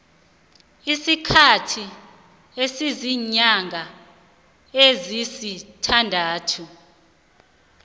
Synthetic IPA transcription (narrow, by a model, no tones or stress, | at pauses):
isikʰatʰi | esiziɲaŋɡʱa | ezisitʰandʱaːtʰu